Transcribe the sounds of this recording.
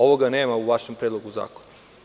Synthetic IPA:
oʋoɡaneːmauʋaʃempɾed̪loɡuza̰ːkona

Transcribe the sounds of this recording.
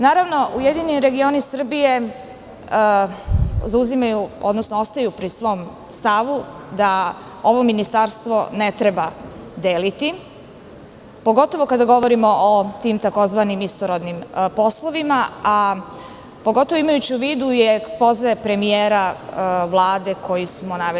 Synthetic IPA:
naːɾaʋno̞ʔujed̪iniɾe̞ɡio̞nisr̩bije̞ | zauzimajuo̞d̪nosnoost̪ajupɾisʋo̞ːm | st̪aʋud̪a | o̞ʋo̞minist̪aɾst̪ʋo̞ne̞t̪ɾe̞bad̪eːlit̪i | po̞ɡo̞t̪o̞ʋo̞kad̪aɡo̞ʋo̞ɾimo̞ʔot̪iːmt̪ako̞zʋanimist̪oɾod̪nimpo̞slˠoʋimaa | po̞ɡo̞t̪oʋoimajut͡ɕiuʋiːd̪uieksplozepɾe̞mijeːɾaʋlˠaːd̪e̞kʰo̞jismonaʋe

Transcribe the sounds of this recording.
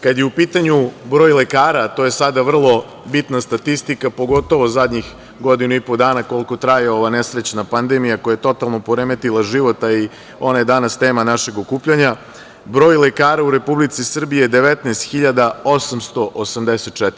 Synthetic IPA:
kad̪jeupiːt̪aɲubɾoːjle̞kaːɾat̪oje̞sad̪aʋr̩lˠo̞ | bit̪nast̪at̪ist̪ikapo̞ɡo̞t̪o̞ʋo̞zad̪ɲix | ɡo̞d̪inuipo̞d̪aːnako̞lˠko̞t̪ɾajeo̞ʋanesɾet͡ɕnapand̪emijakojajet̪o̞t̪alˠno̞poɾemet̪ilˠaʒiʋo̞t̪ai | o̞najed̪anast̪e̞ːmanaʃe̞ɡokuːpʎaɲa | bɾo̞ːjlekaːɾauɾe̞publit̪sisr̩bijed̪e̞ʋet̪nɛst̪xiʎad̪ao̞samst̪o̞ʔosamd̪eset̪̚t͡ʃɛt̪ɾ

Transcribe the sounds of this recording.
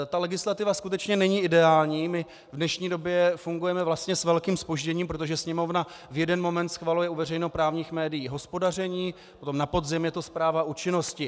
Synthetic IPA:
t̪alɛɡɪslat̪ɪvaskut̪ɛt͡ʃɲɛnɛɲiːɪdɛaːlɲiːmɪ | vdnɛʃɲiːdo̞bjɛfuŋɡujɛmɛvlast̪ɲɛsvɛlkiːmspo̞ʒɟɛɲiːmpɾot̪̬oʒɛsɲɛmo̞vna | vjɛdɛnmo̞mɛnt̪sxvalujɛuvɛrɛjnopɾaːvɲiːxmɛːdɪjiːɦo̞spo̞dar̝ɛɲiː | ot̪o̞mnapo̞dzɪmjɛt̪o̞spɾaːvaʔut͡ʃɪno̞scɪ

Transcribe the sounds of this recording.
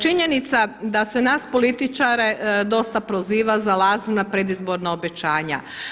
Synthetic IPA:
t͡ʃiɲe̞nit̪sad̪ase̞naːspo̞lit̪it͡ʃaɾe̞d̪o̞st̪apɾoziːʋazalaːzinapɾe̞d̪izbo̞ɾnaobe̞t͡ʃaːɲa̰

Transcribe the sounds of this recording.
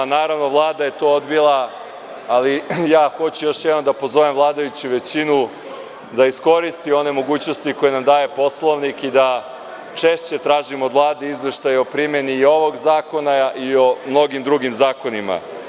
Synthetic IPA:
naːɾaʋno̞ʋlˠaːd̪aje̞t̪o̞ːod̪bilˠaː | lijaːxo̞t͡ɕujo̞ʃjɛd̪nomd̪apo̞zo̞ʋemvlˠaːd̪ajut͡ɕuʋe̞t͡ɕinu | d̪aisko̞ɾist̪io̞ne̞mo̞ɡuːt͡ɕno̞st̪iko̞jenamd̪aːje̞po̞slˠo̞ʋnikid̪a | t͡ʃe̞ʃt͡ɕe̞t̪ɾaːʒimood̪ʋlˠaːd̪eizʋe̞ʃt̪ajeo̞pɾime̞niːo̞ʋo̞ɡzaːko̞naio̞mno̞ɡimd̪ɾuɡimzaːko̞nima̰

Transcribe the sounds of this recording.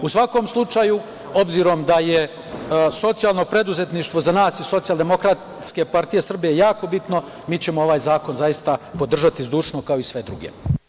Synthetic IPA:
usʋako̞mslˠut͡ʃaju | o̞bziːɾo̞md̪aje | so̞t̪sijalˠno̞pɾe̞d̪uze̞t̪niʃt̪ʋo̞zanaːsiso̞t̪sijalˠd̪e̞mo̞kɾat̪ | ske̞paɾt̪ije̞sr̩bijejaːko̞bit̪no̞ | miːt͡ɕe̞moo̞ʋaːjzaːko̞nzajist̪apo̞d̪r̩ʒat̪izd̪uːʃnokao̞isʋe̞d̪ɾṵɡḛ

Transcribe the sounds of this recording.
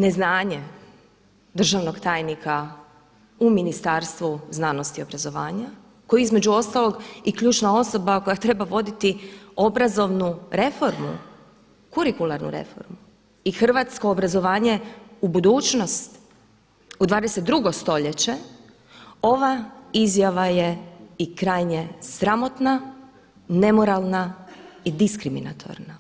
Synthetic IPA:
ne̞znaːɲe | d̪r̩ʒaʋno̞ɡt̪aːjnikʰa | uminist̪aɾst̪ʋuznaːno̞st̪io̞bɾazo̞ʋaːɲa | ko̞jiizme̞d͡ʑuo̞st̪alˠo̞ɡikʎuːt͡ʃnao̞so̞bako̞jat̪ɾe̞baʋo̞d̪it̪io̞bɾazo̞ʋnuɾe̞fo̞ɾmṵ | kuɾikulˠaɾnṵɾe̞̰fo̞̰ɾmu | ixr̩ʋat̪sko̞ːbɾazo̞ʋaːɲe̞ubud̪uːt͡ʃno̞st̪ | ud̪ʋaːd̪eset̪̚d̪ɾuɡost̪o̞ʎet͡ɕe | o̞ʋaizjaʋajeikɾaːjɲe̞sɾamo̞t̪na | ne̞mo̞ɾalˠnaid̪iskɾimḭna̰t̪ʰo̞̰ɾna

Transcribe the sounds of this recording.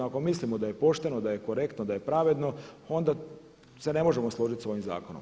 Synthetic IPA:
ako̞mislimod̪aje̞po̞ʃt̪e̞nod̪aje̞ko̞ɾe̞kt̪nod̪ajepɾaʋe̞d̪no̞o̞nd̪a | se̞ne̞mo̞ʒe̞moslˠo̞ʒit̪so̞jimza̰ːkonom

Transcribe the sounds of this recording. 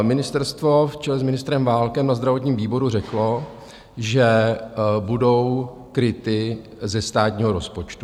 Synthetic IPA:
mɪnɪst̪ɛɾst̪vo̞ft͡ʃɛlɛzmɪnɪst̪ɾɛmvaːlkɛmnazd̪ɾavot̪ɲiːmviːbo̞ɾur̝ɛklo̞ | ʒɛ | budo̞w | kɾɪt̪ɪ | zɛst̪aːt̪ɲiːɦo̞ɾospo̞t͡ʃt̪u

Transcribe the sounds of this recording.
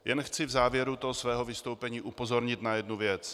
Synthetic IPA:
jʔɛnxt͡sɪvzaːvjɛɾut̪oɦosvɛːɦo̞vɪst̪owpɛɲiːʔupo̞zo̞ɾɲɪt̪najɛdnuvjɛt͡s

